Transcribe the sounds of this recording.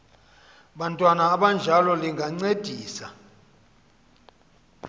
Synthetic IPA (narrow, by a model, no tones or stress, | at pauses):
ɓantʼwanaːɓand͡ʒʱalɔliŋɡʱaŋ͡ǀed̥ʱiːsa